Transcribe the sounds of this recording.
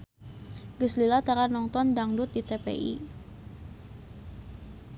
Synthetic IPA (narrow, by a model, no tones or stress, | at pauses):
ɡəslilat̪aɾanɔŋt̪ɔndaŋdut̪̚dit̪epḛʔḭ